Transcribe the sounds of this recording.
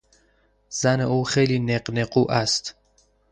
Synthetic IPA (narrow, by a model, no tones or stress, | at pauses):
z̥æneuːxejliːneɢnequːʔæst̪